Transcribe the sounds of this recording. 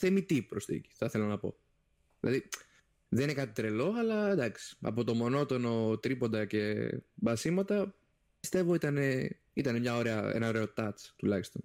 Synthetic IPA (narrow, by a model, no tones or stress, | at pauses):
θemit̪ipɾost̪ḭci̥θɐθe̞lonɐpo̞̰ | ðilʔɐ̰ði | ðeninekɐt̪i̥t̪ɾe̞lo̞ɐlɐd̪ɐksi̥ɐ̰po̞t̪o̞mo̞no̞t̪o̞no̞t̪ɾipo̞nd̪ɐce̞bɐsimɐt̪ɐ | pist̪e̞vo̞it̪ɐne̞ | it̪ɐnemɲɐo̞ɾeɐḛnɐo̞ɾe̞o̞t̪ɐt͡st̪ulɐçi̥st̪o̞n